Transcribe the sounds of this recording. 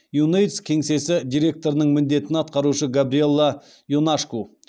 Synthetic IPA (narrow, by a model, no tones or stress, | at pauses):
junejt̪skʲʰe̞ŋse̞sɪd̪ijɾʲe̞k̚t̪o̞ɾənəɴmɪnd̪e̞t̪ɪnɑt̪̚qɑɾuʃəɡabɾie̞lˠːa | junaʂku